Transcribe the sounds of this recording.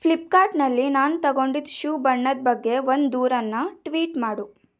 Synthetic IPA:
pʰlip̚kaːɾʈnɐlːinaːnut̪ɐɡo̞ɳɖid̪ʃuːbɐɳːɐd̪̚bɐɡːe̞ʋond̪d̪uːɾɐnːɐʈʋiːʈmaːɽu

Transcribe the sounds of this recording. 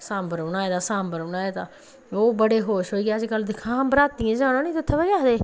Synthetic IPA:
sãːmbəɾʊnaːet̪aːsãːmbəɾʊnaːet̪aː | oːbəɽeːɦoːʃɦoːiːɡaːəd͡ʒkəld̪ɪkʰãːbɾaːt̪ĩːd͡ʒaːɽ̃õːnĩːt̪ʊt̪ʰːebejaːd̪eː

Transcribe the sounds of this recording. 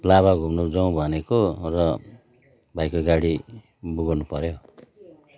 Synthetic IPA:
laβaɡʱumnud͡zʌũbʱʌnekorʌ | bʱajkoɡaɽi | buɡnupʌɾjo

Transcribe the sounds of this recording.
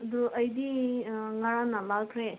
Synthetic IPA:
ɐd̪uɐjd̪iŋaɾanalakʰɾe

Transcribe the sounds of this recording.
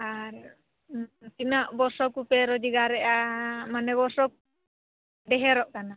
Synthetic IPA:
aɾ | t̪inaʔbɔsɔkupɛɾɔd͡ʒiɡaɾɛʔamanɛβɔsɔk̚ | ɖɛɦɛɾɔʔkana

